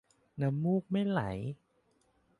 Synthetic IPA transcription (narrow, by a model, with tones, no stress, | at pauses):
na˧˦˥mːuː˥˩k̚ma˥˩jla̰˩˦j